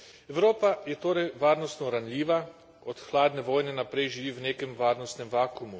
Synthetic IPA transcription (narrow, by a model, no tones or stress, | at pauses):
ɛwɾoːpajɛt̪oːɾɛjʋaːɾnɔst̪nɔɾanlʲiːʋa | ɔt̪xlaːd̪nɛʋoːjnɛnapɾɛjʒiʋiːwneːkɛmʋaːɾnɔst̪nɛmʋaːkumu